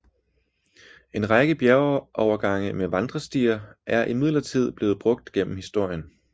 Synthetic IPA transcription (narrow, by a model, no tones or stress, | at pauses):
e̝nʁɑɡ̥əb̥jæɐʔɒʊɐɡ̥ɑ̈ŋ̰əmeʋɑ̈nd̥ʁɐsd̥iːɐʔæɐʔimið̞̰ˠlɐt͡sʰið̞̰ˠb̥le̝ːð̞̩ˠb̥ʁɔ̽ɡ̥̚d̥ɡ̥en̰m̩hisd̥o̝ɐ̰jən